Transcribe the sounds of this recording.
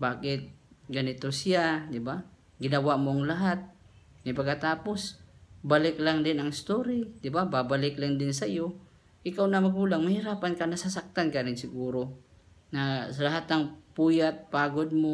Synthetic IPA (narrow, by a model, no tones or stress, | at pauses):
baːkɪt̪̚ɡɐnɪt̪osɪad̪ɪba | ɡɪnɐwaʔmoʔaŋlaɦat̪̚ | mapɐɡkːat̪aːposbalɪklaŋd̪ɪnɐŋɪst̪oɾid̪ɪbababalɪklaŋd̪ɪnsajo | ʔɪkawnamɐɡuːlaŋmɐhɪɾaːpankanasasak̚t̪ankaɾɪŋsɪɡuːɾo | nasalaɦat̪aŋpuːjat̪̚paːɡod̪̚mo